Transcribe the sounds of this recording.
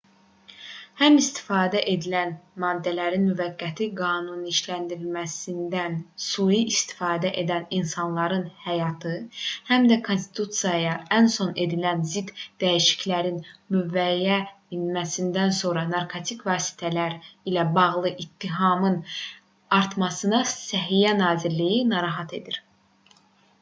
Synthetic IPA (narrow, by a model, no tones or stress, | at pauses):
hæmist̪ʰi̥fɑːd̪æʔe̞d̪ilænmɑːd̪ːælæɾinmyvæɡːæt̪ʰiɡɑːnuniːʃlænd̪iɾilmæsind̪ænsujiʔist̪i̥fɑːd̪æʔe̞d̪æninsɑnlˠɑɾɯnhæjɑt̪ʰɯhæmd̪ækʰo̞nst̪i̥t̪ʰut̪sijɑjɑænso̞ne̞d̪ilænzid̪̥ːæjiʃi̥clæɾinmyvæjæ | inmæsind̪ænso̞ɾɑnɑɾkʰo̞t̪ʰikʰvɑːsi̥t̪ʰælæɾilæbɑʁlˠɯʔit̪ːiɦɑmɯn | ɑɾt̪mɑsɯnɑsæɦijænɑːziɾlijinɑɾɑɦɑt̪ʰe̞d̪iɾ